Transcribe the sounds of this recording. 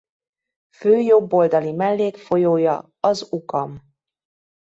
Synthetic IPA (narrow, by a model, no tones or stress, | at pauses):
føːjo̞bːo̞ld̪ɒlimɛlːeːkfo̞joːjɒ | ɒzukɒm